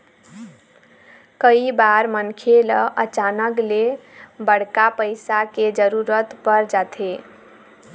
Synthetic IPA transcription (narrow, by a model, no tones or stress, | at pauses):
kəibaɾmənkʰeləʔət͡ʃanəklebəɽ̤kapəɪsaked͡ʒəɾuɾət̪pəɾd͡ʒat̪ʰe